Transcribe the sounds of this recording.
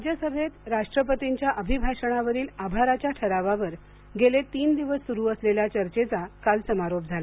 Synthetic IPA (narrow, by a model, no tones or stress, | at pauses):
ad͡ʑjəsəbʱet̪ɾaʂʈɾəpət̪iɲt͡ɕjaʔəbʱibʱaʂəɽ̃aʋəɾiːlabʱaɾat͡ɕjaʈʰəɾaʋaʋəɾ | ɡelet̪iːnd̪iʋəsːuɾuːəsleljat͡ɕəɾt͡ɕet͡sakalsəmaɾop̚d͡zʱala